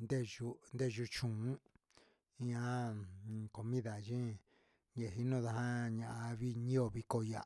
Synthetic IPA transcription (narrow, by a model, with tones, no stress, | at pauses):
nd̪e˦ʒu˧nd̪e˦˨ʒu˧t͡ʃũ˨ũ˦ | i˧ã˦˨ | ko˨mĩ˦ða˨ʒĩ˦ | ɲe˧˨ɦi˧nũ˦˨ða˧ɦa˦ɲã˧ʔa˧βi˦ɲĩ˦o˧βi˧ko˧ja˨